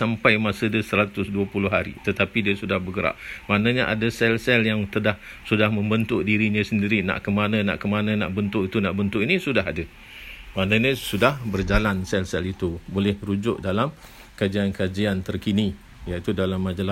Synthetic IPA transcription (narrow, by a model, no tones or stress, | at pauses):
sampajmasədiəsəɾat̪ʊsduəpulʊɦaɾḭt̪ət̪apidiasudahbəɡəɾa̰ʔmanaɲaʔa̰dasɛlsɛljaŋt̪ədahsudahmə̃mbənt̪ʊʔdiɾiɲasəndiɾina̰ʔkəmanə̃na̰ʔkəmanə̃na̰ʔbənt̪ʊʔit̪unaʔbənt̪ʊʔinisudaɦadə | manaɲə̃sudahbərd͡ʒalansɛlsɛlit̪ubolɛhɾud͡ʒʊʔdalam | kad͡ʒiankad͡ʒiant̪ərkini | jait̪udalamːad͡ʒala